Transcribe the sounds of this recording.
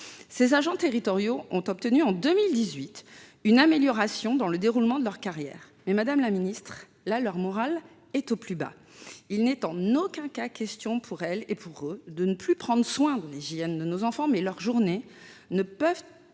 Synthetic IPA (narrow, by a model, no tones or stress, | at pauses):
sezaʒɑ̃t̪eʁit̪ɔʁjoʔɔ̃t̪ɔp̚t̪ənyɑ̃d̪ømild̪izɥit̪ynameljɔʁasjɔ̃d̪ɑ̃ləd̪eʁulmɑ̃d̪əlœʁkaʁjɛ̰ːʁ | mɛmad̪amlaminist̪χ | lalœʁmɔʁal | ɛt̪oplyba̰ | ilnɛt̪ɑ̃nokʲɛ̃kakʲɛst̪jɔ̃pʰuʁɛlepʰuʁød̪ənəplypχɑ̃d̪ʁəswɛ̃d̪ɑ̃leʒiɛnd̪ənozɑ̃fɑ̃mɛlœʁʒuʁnenəpœv